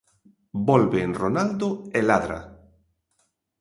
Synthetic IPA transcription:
bɔlβenronald̪ʊelaðɾa̰

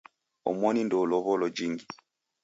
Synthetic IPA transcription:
ɔ̰mɔnindɔlɔβɔlɔd͡ʒiŋɡi

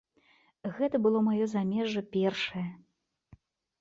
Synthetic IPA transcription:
ɣɛt̪ɐbɨlˠɔmajɔzamʲɛʐɐpʲɛrʂɐjɐ

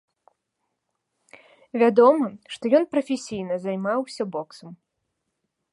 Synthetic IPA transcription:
vʲad̪ɔmɨʂt̪ɔjɔnpɾɐfʲesʲijnɐzajmawsʲɐbɔksɐm

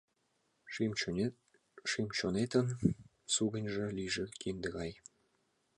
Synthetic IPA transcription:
ʂimt͡ɕonet̪ə̆n | suɡə̆nʲʐĕlʲiʐɘ̆kʲind̪ə̆ɣɑj

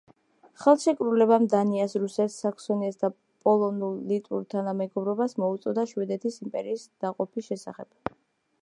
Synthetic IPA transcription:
χɛlˠʃɛkʼɾulɛbamd̪aniasɾusɛt̪sakʰsɔniasd̪a | pʼɔlˠɔnulˠːit̪ʼṵɾt̪ʰanamɛɡɔbɾɔbasmɔut̪sʼɔd̪aʃwɛd̪ɛt̪ʰisimpʼɛɾiːsd̪̥aqʼɔpʰisʃɛsa̰χɛb̥̚

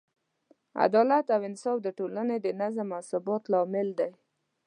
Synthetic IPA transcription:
a̰d̪ɑlat̪awɪnsɑfd̪əʈolaned̪ənazamawsʊbɑt̪lɑmɪld̪aj

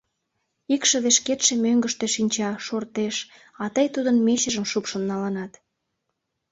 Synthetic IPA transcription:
ikʃeβeʃket̪ʃe̽møŋɡəʃt̪eʃinʲt͡ɕɑʃort̪eʃ | ɑt̪əjt̪ud̪ənmeɕə̆ʒəmʃupʃənːɑlɑnɑt̪

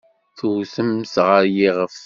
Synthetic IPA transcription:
θuθəmsʁəɾjiʁəf

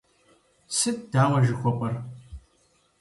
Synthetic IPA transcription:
sɨt̚d̥aːwɐʒɪxʷɔpʼɐr

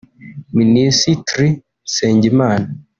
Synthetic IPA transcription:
minisitɾi | seːɲɟimaːna

